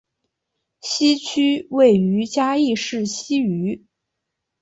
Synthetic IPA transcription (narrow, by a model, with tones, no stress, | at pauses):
ɕi˥t͡ɕʰy˥we˥˩ɪy˧˥t͡ɕja˥i˥˧ʂɻ̩˥˩ɕi˥y˧˥